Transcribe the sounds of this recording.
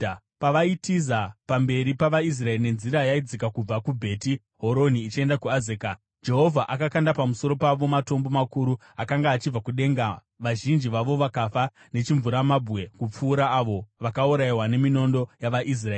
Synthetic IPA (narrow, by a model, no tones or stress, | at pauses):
paʋaitizapambe̞ɾipaʋais̬rae̞rine̞nziɾajaid͡zikakub͡vakubʱe̞ːti | ɦo̞ɾo̞niːt͡ʃe̞ndakuazeːka | d͡ʒe̞ɦo̞vʱaʔakakandapamuso̞ɾo̞paʋo̞mato̞mbo̞makuɾu | akaŋɡaːt͡ʃib͡vakuɗe̞ŋɡa | ʋaʒind͡ʒiʋaʋo̞ʋakafa | ne̞t͡ʃiɱvuɾamabʱɣe̞kup͡fuːɾaːʋo̞ʋakauɾaiwane̞mino̞ndo̞jaʋaʔis̬raeːi